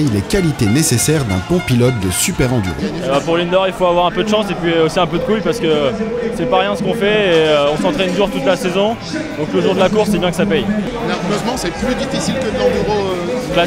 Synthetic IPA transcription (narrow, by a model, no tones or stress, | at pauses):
jlekʲalit̪enesesɛʁd̪ɛ̃pɔ̃pilɔt̪̚d̪əsypɛʁɑ̃d̪y̰ʁḛbapuʁlind̪ɔʁilfoavwaʁɛ̃pød̪əʃɑ̃sepɥiosiɛ̃pød̪əkujpaʁsəkəsɛpaʁjɛ̃səkɔ̃fɛeøɔ̃sɑ̃t̪χɛnd̪uʁt̪ut̪lasezɔ̃ | d̪ɔ̃klot̪uʁd̪əlakuʁsːɛbjɛ̃kəsapɛj | naʁøzmɑ̃sɛplyd̪ifisilkəd̪lɑ̃d̪yʁola